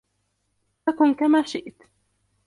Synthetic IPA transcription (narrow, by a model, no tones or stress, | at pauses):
akʊnkamaːʃɪʔt̪